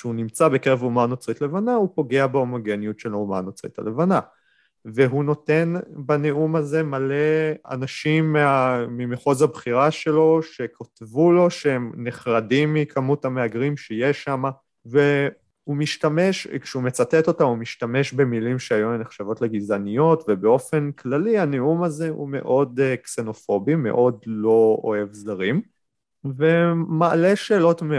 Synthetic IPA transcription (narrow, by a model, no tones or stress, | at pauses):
kʃeunimt͡sabe̞keʁevumanot͡sʁitlevanaupo̞ɡe̞abeomo̞ɡenijutʃelumanot͡sʁḭta̰levana | veɦuno̞te̞nbaneumaze̞male̞a̰naʃimːeamimeχozhabχiʁaʃe̞lo̞ʃe̞kʰotvulo̞ʃeemneχʁadimːikʰamuthameaɡʁimʃejeʃama | ve | umiʃtame̞ʃkʃeumet͡satet̪o̞tamumiʃtame̞ʃbe̞milimʃeajueneχʃavo̞tleɡizanijo̞tvebe̞o̞fe̞nkʰlalianeumaze̞ṵme̞̰ʔo̞dkse̞no̞fo̞bime̞̰ʔo̞dlo̞o̰e̞vzaʁim | ve̞maːle̞ʃe̞ːlo̞tme